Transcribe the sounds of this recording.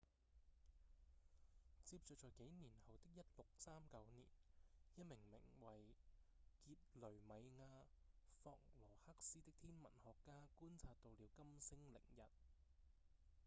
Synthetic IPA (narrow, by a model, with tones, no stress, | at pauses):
t͡siː˧p̚t͡ʃɔ˨t͡ʃɔː˨˩jke˨˥jniː˨˩nhɐ˨wt̪ɪ˥k̚jɐ˥t̚lʊ˨k̚saː˥mkɐ˨˥wnḭː˨˩njɐ˥t̚mɪ˨˩ŋmɪ̰˨˩ŋwɐ˨j | kiː˧t̚lɵ˨˩ɥmɐ˨˧jŋaː˧fɔː˧k̚lɔː˨˩hɐ˥k̚siː˥t̪ɪ˥k̚t̪ʰiː˥nmɐ˨˩nhɔː˨kːaː˥kuː˥nt͡sʰaː˧t̚t̪o˨˧wliː˨˧wkɐ˥msɪ˥ŋlɪ̰˨˩ŋjɐ˨t̚